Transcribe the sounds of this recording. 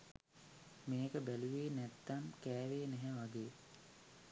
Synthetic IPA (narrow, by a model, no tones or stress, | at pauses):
meːkəbæluʋeːnæt̪ːamkæːʋeːnɛɦɛʋaɡeː